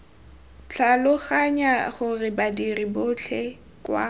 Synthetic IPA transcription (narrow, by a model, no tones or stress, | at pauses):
t͡ɬʰalʊχaɲaχʊrɪbadiribʊt͡ɬʰɛ | kʼwa̰